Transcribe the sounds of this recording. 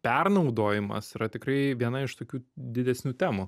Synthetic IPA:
pʲɛrnɐʊd̪oːjɪmɐ̰siɾɐt̪ʲɪkrɐɪʋʲiɛnɐɪʃt̪oːkʲuːd̪ʲɪd̪ʲɛsʲnʲuːt̪ʲæːmu

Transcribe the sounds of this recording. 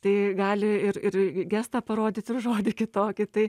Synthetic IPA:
t̪ɐɪɡɑːlʲɪɪrɪrɡʲɛst̪ɐpɐɾoːd̪ʲɪt̪ɪrʒoːd̪ʲɪkʲɪt̪oːkʲɪt̪ɐɪ

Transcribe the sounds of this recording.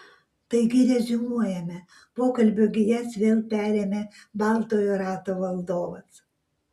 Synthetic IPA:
t̪ɐɪɡʲɪɾʲɛʒʲɪnuɔjɛmʲɛ | poːkɐlʲbʲʊɡʲɪjɛsʋʲeːlˠpʲæːɾʲeːmʲebɑˑlˠt̪oːjuːɾɑːt̪oːʋɐlˠd̪oːʋɐs

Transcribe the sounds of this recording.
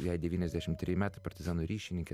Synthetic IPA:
jɛɪd̪ʲɛʋʲiːnʲɛzʲd̪ʲæʃʲɪmt̪ʲɾʲjɪmʲæːt̪ɐpɐɾʲt̪ʲɪzɑːnoːɾʲiːʃʲɪnʲɪŋʲkʲe

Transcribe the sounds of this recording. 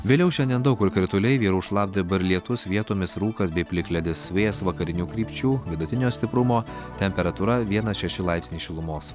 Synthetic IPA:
ʋʲeːlʲɛʊʃʲɛnʲd̪ʲɛnd̪ɐʊkʊɾkɾʲɪt̪ʊlʲɛɪʋʲiːɾuːʃlˠɑːp̚d̪ʲɪbɐɾlʲiɛt̪ʊsʋʲiɛt̪oːmʲɪsɾuːkɐsbʲɛɪpʲlʲɪklʲɛd̪ʲɪsʋʲeːsʋɐkɐɾʲɪnʲuːkɾʲiːpʲt͡ʃʲuːʋʲɪd̪ʊt̪ʲɪnʲoːsʲt̪ʲɪpɾʊmoː | t̪ʲɛmʲpʲɛɾɐt̪uːɾɐʋʲiɛnɐʃʲɛʃʲɪlˠɑɪpʲsnʲiːʃʲɪlˠʊmoːs

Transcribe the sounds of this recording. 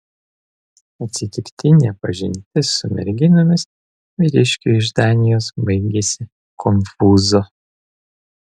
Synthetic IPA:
ɐt̪ʲsʲɪt̪ʲɪkt̪ʲɪnʲɛpɐʒʲɪnʲt̪ʲɪsʊmʲɛ̰ɾʲɡʲɪnʲʊmʲɪs | ʋʲɪɾʲɪʃʲkʲuɪʒd̪ɑːnʲɪjoːsbɐɪɡʲesʲɪ | kʰɔmfuːzo

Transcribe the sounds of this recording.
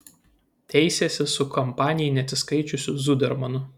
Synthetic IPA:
t̪ʲɛɪsʲɛsʲɪsʊkɔmpɑːnʲɪjɛɪnʲɛɐt̪sʲɪskɐɪt͡ʃʲʊsʲʊzʊd̪ʲɛɾmɐnʊ

